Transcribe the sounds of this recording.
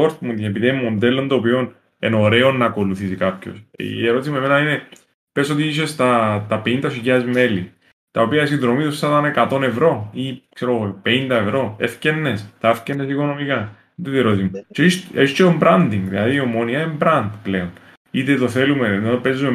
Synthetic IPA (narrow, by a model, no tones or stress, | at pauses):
oɾt̪munt̪epiðieemːo̞nd̪elːond̪oːpio̞n | ḛno̞ɾe̞o̞nːɐko̞luθisikɐpço̞̰seɾo̞t̪is̬imeme̞nɐine̞ | peso̞t̪iiʃ̬e̞st̪ɐt̪ɐpeind̪ɐsicaɐzme̞li | t̪ɐopiɐsinðɾo̞mit̪usɐt̪ɐnekɐt̪o̞ne̞vɾo̞ikse̞ɾoɣopeind̪ɐevɾo̞efcenːe̞st̪ɐefcenːesiko̞no̞mikɐ | d̪et̪ieɾo̞t̪imut͡ʃeset͡ʃeombɾɐnd̪iŋɡðilɐðiomoniɐembɾɐnd̪ple̞on | it̪et̪o̞θelumeðope̞zːume